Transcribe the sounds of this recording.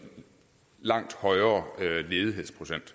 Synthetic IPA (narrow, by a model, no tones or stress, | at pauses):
lɑ̈ŋ̰d̥hɒ̽ɪɐːle̝ːð̞ˠiɦe̝ð̰ˠspʰʁoɕen̰d̥